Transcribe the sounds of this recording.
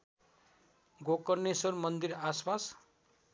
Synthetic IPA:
ɡokʌrnesʌrmʌnd̪iɾaspas

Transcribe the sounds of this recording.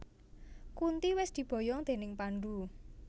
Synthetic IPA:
kunt̪iwɪsd̪̥i̤b̥ɔ̤jɔŋd̪̥e̤nɪŋpaɳɖu

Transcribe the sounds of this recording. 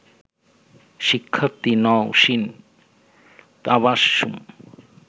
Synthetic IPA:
ʃikʰːɐt̪inɔwʃin | t̪aβaʃːum

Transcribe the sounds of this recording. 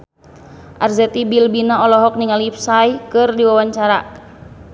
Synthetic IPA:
ʔarzɛt̪ibilbinaɔlɔɦɔk̚niŋalipsajkɨrdiwawaɲt͡ʃaɾa

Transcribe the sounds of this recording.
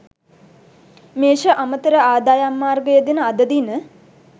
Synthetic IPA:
meːʃəʔamət̪əɾəaːd̪aːjamːaːrɡəjəd̪inəad̪əd̪inə

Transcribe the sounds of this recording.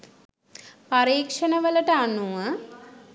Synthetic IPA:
paɾiːkʂənəʋələʈəanuʋə

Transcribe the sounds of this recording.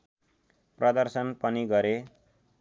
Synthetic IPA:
prʌd̪ʌrsʌnpʌniɡʌɾe

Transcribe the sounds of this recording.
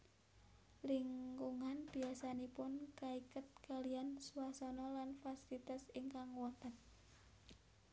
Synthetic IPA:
liŋkuŋanb̥iasanipʊnkaikət̪̚kaliansuasɔnɔlanfasilit̪asiŋkaŋwɔt̪at̪̚

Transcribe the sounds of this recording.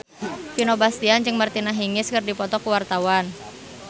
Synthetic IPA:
pinobast̪iand͡ʒɨŋmərt̪inaɦiŋɪskɨrdipɔt̪ɔkuwart̪awan

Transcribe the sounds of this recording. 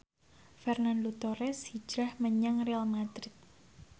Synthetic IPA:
fɛrnand̪ut̪oɾɛshi̥d͡ʒ̥ɾahməɲaŋrealmad̪ɾɪt̪̚

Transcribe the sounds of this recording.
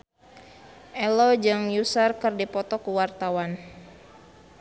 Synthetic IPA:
ʔɛlɔd͡ʒaŋjusarkɨrdipɔt̪ɔkuwart̪awan

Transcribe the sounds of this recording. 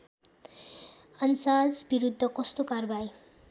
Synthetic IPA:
ʌnsad͡zbiɾud̪ʱːʌkʌst̪okarbaj

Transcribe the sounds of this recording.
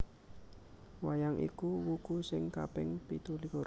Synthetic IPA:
wajaŋʔḭkuwukusɪŋka̰pɪŋpit̪uliko

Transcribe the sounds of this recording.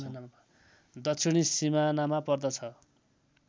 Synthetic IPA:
n | d̪ʌsʰiɽ̃isimanamapʌrd̪ʌt͡sʰʌ

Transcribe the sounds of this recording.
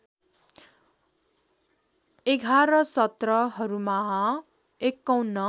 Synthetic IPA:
eɡʱaɾʌsʌt̪rʌɦʌɾumaɦʌ̃ | ekːʌwnːʌ

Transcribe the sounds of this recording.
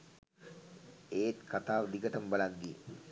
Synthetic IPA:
eːt̪kʰat̪aːʋd̪iɡət̪əmbəland̪i

